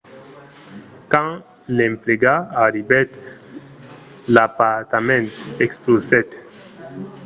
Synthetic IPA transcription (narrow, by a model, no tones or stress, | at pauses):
kã | lɛ̃mpleɡaːɾibɛt̪ | lapat̪amɛ̃nt̪ɛksplosɛt̪